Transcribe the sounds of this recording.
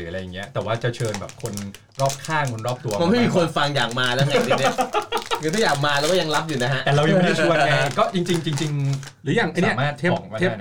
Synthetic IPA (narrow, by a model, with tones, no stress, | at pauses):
ɯː˩˦˧ɾa˧jːŋːi˦˥ɐt̪ɛː˨˩waː˥˩t͡ɕa˨˩t͡ɕʰɤː˧nbɛ̰ː˨˩p̚kʰo˧n | ɾɔː˥˩p̚kʰaː˥˩ŋo˧nɾɔː˥˩p̚t̪u˧ɐma˧nma˥˩jmiː˧kʰo˧nfa˧ŋjaː˨˩k̚maː˧lɛː˦˥ŋa˥˧˩i˥˩˧i˥kʰɯː˧t̪ʰɔ˥˩jaː˨˩k̚maː˧lɛː˦˥wkɔ˥˩ja˧ŋla˦˥p̚juː˨˩na˦˥ɦa˦˥ʔ̪ɛː˨˩ɾa˧wja˧˩m˥a˥˩u˧a˧kɔː˥˩t͡ɕi˧ŋt͡ɕi˧ŋt͡ɕi˧ŋt͡ɕi˧ŋ | ɾɯː˩˦jaː˨˩ŋʔa˧naiː˥ɐ˦maː˥˩t̪̚ʰːɔ˩˦ŋkɔː˥aː˥˩˥